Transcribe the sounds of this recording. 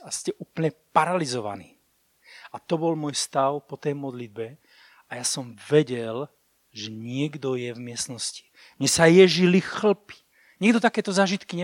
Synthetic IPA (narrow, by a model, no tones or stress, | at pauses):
ascɛʔuːpl̩ɲɛpaɾalizɔʋa̰niː | at̪ɔbɔlmʊɔjst̪aʊpɔt̪ɛjmɔd̪lid̪̚bɛ | ajasɔmvɛɟɛl | ʒɛɲɪɛɡd̪ɔjɛvmɪɛst̪nɔsci̥ | mɲɛsajɛʒilixl̩pi̥ | ɲɛɡd̪ɔt̪akɛːt̪ɔzaːʒit̪kiɲɛ